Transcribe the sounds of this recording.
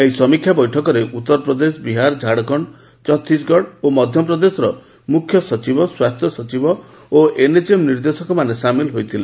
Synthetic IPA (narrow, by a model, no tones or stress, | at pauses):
ejsɔmikʰːjabɔjʈʰɔkɔɾeʔut̪ːɔɾɔpɾɔd̪es̬ɔbiɦaɾd͡ʒʱaɽɔkɔɳ | t͡ʃɔt̪ʰːisɡɔɽomɔd̪ʱjɔp̬ɾɔd̪esɔɾɔ | mukʰjɔsɔt͡ʃibɔswast̪ʰjɔsɔt͡ʃibɔ | oʔened͡ʒemniɾd̪esɔkɔmanesamilɦojt̪ʰile